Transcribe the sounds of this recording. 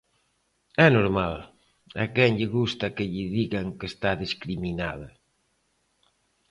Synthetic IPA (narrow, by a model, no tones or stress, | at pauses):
ɛnoɾmal | a̰kɛŋʎɪɣust̪ɐkɪʎɪðiɣaŋkest̪aðiskɾiminaðɐ